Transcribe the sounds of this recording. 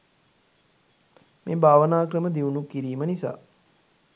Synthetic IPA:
meːbʱaːʋənaːkrəməd̪iunukːiɾiːmənisa̰ː

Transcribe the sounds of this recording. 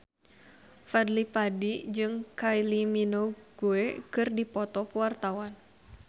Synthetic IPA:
fad̪lipadid͡ʒɨŋkajliminoɡ̥uekɨrdipɔt̪ɔpwart̪awan

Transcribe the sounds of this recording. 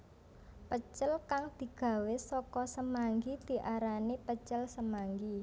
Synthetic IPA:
pət͡ʃəlkaŋd̪̥i̤ɡ̥ä̤wesɔkɔsəmaŋɡid̪̥i̤ʔaɾanepət͡ʃəlsəmaŋɡi

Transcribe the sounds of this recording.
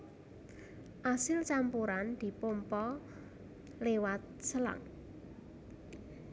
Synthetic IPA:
ʔasɪlt͡ʃampuɾand̪̥i̤pompɔ | lewat̪̚səla̰ŋ

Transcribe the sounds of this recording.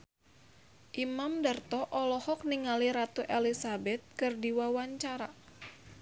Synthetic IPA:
ʔimamdərt̪ɔʔɔlɔhɔk̚niŋaliɾat̪uʔelisabɛt̪̚kɨrdiwawaɲt͡ʃaɾa

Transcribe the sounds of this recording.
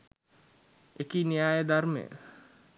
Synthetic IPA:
ekinijaːjəd̪aɾmḛə̰

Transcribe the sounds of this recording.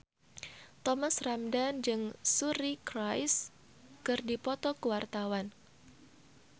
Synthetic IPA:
t̪ɔmasramdand͡ʒɨŋsuɾikɾajs | kɨrdipɔt̪ɔkəwart̪awan

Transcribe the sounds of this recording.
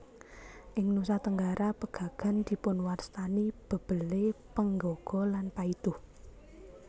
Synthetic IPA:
ʔɪŋnusat̪əŋɡaɾʔapəɡ̥ä̤ɡ̥a̤nd̪̥i̤pʊnwarst̪anib̥ə̤b̥ə̤lepəŋɡɔɡ̥ɔ̤lanpaid̪̥ʊh

